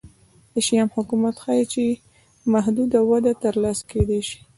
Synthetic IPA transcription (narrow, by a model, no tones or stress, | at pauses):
d̪əʃijɑmhʊkumat̪xajit͡ʃe | maɦd̪ud̪awad̪at̪əɾlɑsked̪eʃi̥